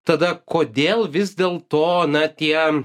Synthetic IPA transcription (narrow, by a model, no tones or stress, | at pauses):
t̪ɐd̪ɐkoːd̪ʲeːlˠʋʲɪzd̪ʲeːlˠt̪oːnɐt̪ʲiɛ